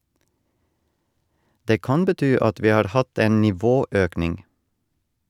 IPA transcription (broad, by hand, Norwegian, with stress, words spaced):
ˈdeː ˈkɑn bəˈtyː ˈɑt ˈʋiː ˈhɑːɾ ˈhɑt ˈeːn nɪˈʋoːˌøːknɪŋ